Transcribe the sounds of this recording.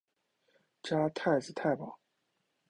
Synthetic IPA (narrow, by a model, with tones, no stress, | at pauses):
ʈ͡ʂa˥t̪ʰa˥˩ɪt͡sɹ̩˧t̪ʰa˥˩ɪpɑ˨˩˦